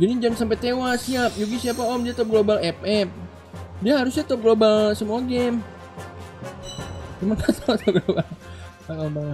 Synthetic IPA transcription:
ɡinid͡ʒamsampet̪ewasiap̚juɡisiapaɔmdiat̪ɔp̚ɡlobalɛp̚ɛp̚ | diaɦaɾʊsɲat̪ɔp̚ɡlobalsəmuaɡɛm | d͡ʒumankat̪ɔt̪ɔp̚ɡlobal | akɔbaŋ

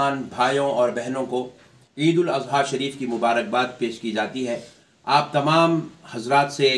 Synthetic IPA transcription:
aːnbʱaːjõɔːɾbɛɦnõko | iːd̪ʊlɐzɦaːʃɐɾiːfkimʊbaːɾək̚baːd̪peːʃkid͡ʒaːt̪iɦɛː | aːp̚t̪ɐmaːmhɐzɾaːt̪se

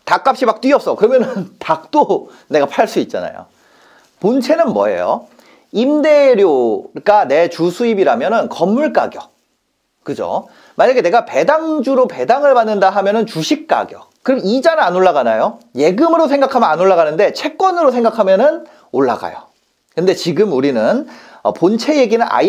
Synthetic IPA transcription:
tak͈ap̚ɕ͈imak̚t͈ɥiʌp̚s͈ʌkɯɾʌmjʌnɯntak̚t͈o | nːe̞ɡapʰaɭs͈uit̚t͡ɕ͈a̰na̰jo̰ | punt͡ɕʰe̞nɯnmwʌ̰ḛjo̰ | imde̞ɾjoɡane̞t͡ɕusʰuibiɾamjʌnɯnkʌmːuɭk͈a̰ɡjʌ | kɯd͡ʑo̰ | maɲaɡe̞ne̞ɡape̞daŋd͡ʑuɾope̞daŋɯɭpanːɯndaɦamjʌnɯnt͡ɕuɕʰik̚k͈a̰ɡjʌ̰kɯɾibid͡ʑanɯnanoɭːaɣanajoje̞ɡɯmɯɾosʰe̞ŋɡakʰamjʌnanoɭːaɣanɯnde̞t͡ɕʰe̞k̚k͈wʌnɯɾosʰe̞ŋɡakʰamjʌnɯn | oɭːa̰ɡa̰jo̰ | kɯnde̞t͡ɕiɡɯmuɾinɯn | ʌ̰pont͡ɕʰe̞je̞ɡinɯna̰

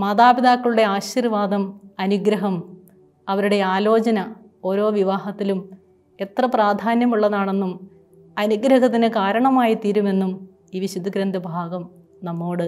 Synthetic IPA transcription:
mɐðaːbid̪aːkːɐɭuɽe̞aːɕirʋaːd̪ɐmɐnuɡɾɐɦɐm | ɐʋɐɾuɽe̞aːlo̞ːt͡ɕɐnɐ | o̞ːɾo̞ːʋiʋaːɦɐt̪ːilum | e̞t̪rɐpraːd̪ʱaːnjɐmuɭːɐðaːɳe̞nːum | ɐnuɡɾɐɦɐt̪ːinɨkaːɾɐɳɐmaːjit̪iːɾume̞nːum | iːʋiɕud̪ukɾɐnd̪ɐbʱaːɡɐm | nɐmːo̞ːɽɨ

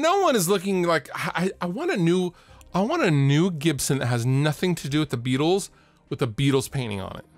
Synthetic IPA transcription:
noʊwʌ̃ñɨzlʊkɪ̃ŋlaɪkʔaɪaɪwɑ̃nɨnʉʔaɪwɑ̃nɨnʉɡɪb̥sɨ̃n̩ðɨt̚ɦɨznʌθɪ̃ŋtʰɨdɨwɨðɨbiɾl̩ˠz̥ | wɨðəbiɾl̩ˠz̥pʰẽɪ̃ɾ̃ɪ̰̃ŋə̰̃nɨ̰t̚

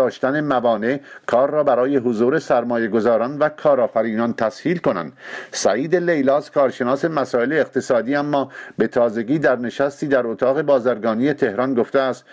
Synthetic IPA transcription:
ɒːʃt̪æne̞mævɒːne̞kʰɒːrːɒːbæɾɒːje̞ɦozuːɾe̞sæɾmɒːje̞ɡo̞zɒːɾɒːnvækʰɒːɾɒːfæɾiːnɒːnt̪ʰæshiːlko̞næ̰nd̪̥sæʔiːd̪e̞lejlɒːzkʰɒːɾʃe̞nɒːse̞mæsɒːe̞leːqt̪ʰesɒːd̪iːæmːɒːbe̞t̪ʰɒːze̞ɡiːd̪æɾne̞ʃæst̪iːd̪æɾot̪ʰɒːɣe̞bɒːzæɾɡɒːniːje̞t̪ʰe̞hɾɒnɡo̞ft̪eæst̪

